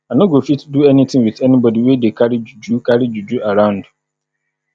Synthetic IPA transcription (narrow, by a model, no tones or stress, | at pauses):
anõɡofitduɛnĩt̪ʰɪ̃ŋwiθɛnibɔdiwedekʰaɾid͡ʒud͡ʒukʰaɾid͡ʒud͡ʒuaɾãʊ̃nd